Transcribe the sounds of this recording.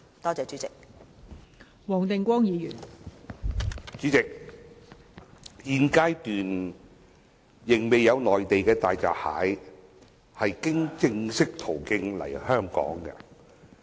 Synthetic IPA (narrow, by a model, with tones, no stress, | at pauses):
t̪ɔː˥t͡sɛː˨˧t͡ʃy˨˥t͡sɪ˨k̚ | wɔː˨˩ŋt̪ɪ˨ŋkʷɔː˥ŋjiː˨˧jyː˨˩n | t͡ʃyː˨˥t͡sɪ˨k̚ | jiː˨˧nkaː˥jt̪yː˨n | jɪ˨˩ŋme˨jːɐ˨˧wlɔː˨jt̪e˨jkɛː˧t̪aː˨jt͡sa̰ː˨p̚ha̰ː˨˥j | hɐ˨jkɪ˥ŋt͡sɪ˧ŋsɪ˥k̚t̪ʰo˨˩wkɪ˧ŋlɐ̰˨˩jhœː˥ŋkɔ̰ː˨˥ŋkɐ̰˧